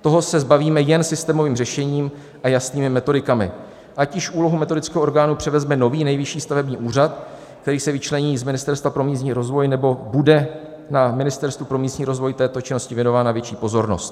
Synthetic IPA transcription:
t̪o̞ɦo̞sɛzbaviːmɛjɛnsɪst̪ɛːmo̞viːmrɛʃɛɲiːm | ʔajasniːmɪmɛt̪o̞dɪkamɪ̰ | ʔacɪʃuːlo̞ɦumɛt̪odɪt͡skɛːɦooɾɡaːnupr̝̥ɛvɛzmɛno̞viːnɛjvɪʃiːst̪avɛbɲiːʔuːr̝at̪̚ | kt̪ɛɾiːsɛvɪt͡ʃlɛɲiːzmɪnɪst̪ɛɾst̪vapɾo̞miːsɲiːɾo̞zvo̞jnɛbo̞budɛ | namɪnɪst̪ɛɾst̪vupɾo̞miːsɲiːɾo̞zvo̞jt̪ɛːt̪o̞t͡ʃɪno̞scɪvjɛno̞vaːnavjɛt͡ʃiːpo̞zo̞ɾnost̪

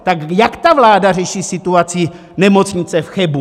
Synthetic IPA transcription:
t̪akjakt̪avlaːdarɛʃiːsɪt̪uat͡sɪ | nɛmo̞t͡sɲɪt͡sɛfxɛbu

